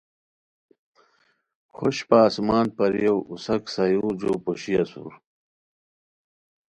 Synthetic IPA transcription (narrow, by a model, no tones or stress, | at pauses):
xoɕpaːsmaːnpɐɾjewusɐksajud͡ʑoːpuɕijɐsṵɾ